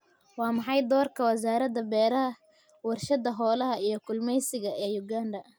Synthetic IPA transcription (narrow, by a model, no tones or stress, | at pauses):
wɑːmɑħɑjd̪ɔːrkʰɐwɐsaːɾɐd̪ɐbɛːɾɐɦɐ | wɐrʃɐd̪ɐɦɔːlɐɦɐijɞkʰʊlmɛjsɪɣɐʔɛːjʊɡaːndɐ